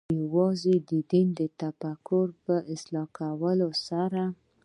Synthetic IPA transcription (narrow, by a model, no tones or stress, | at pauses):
jawɑzed̪əd̪ind̪ət̪afakʊɾpəʔɪslɑkʰawəlosaɾa